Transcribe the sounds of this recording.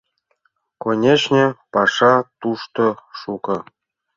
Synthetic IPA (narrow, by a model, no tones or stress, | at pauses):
konʲet͡ɕnʲepɑʂɑt̪uʃt̪oʃukɤ̆